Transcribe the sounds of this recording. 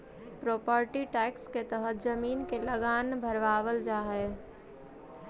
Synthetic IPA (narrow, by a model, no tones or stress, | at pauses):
pɾopəɾʈiʈɛksket̪əɦət̪d͡ʒəminkeləɡanbʱəɾʋaʋəld͡ʒaɦɛ